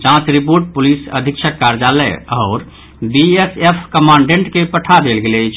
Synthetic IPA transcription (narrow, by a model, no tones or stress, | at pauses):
t͡ʃãt͡ʃɾipoɾʈ̚pulisə̰d̪ʱikʃʰəkːaɾd͡ʒalɛ̰ɔʊɾ | biesepʰkəmaɳɖẽɳʈkepəʈʰad̪elɡelɛjt͡ʃʰ